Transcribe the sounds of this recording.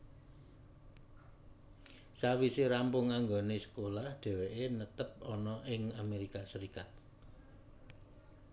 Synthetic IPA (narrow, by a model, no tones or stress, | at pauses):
sawiseɾampʊŋaŋɡonesə̥kolahɖ̥ɛ̤weʔenət̪əp̚ɔnɔʔɪŋameɾikasəɾikat̪̚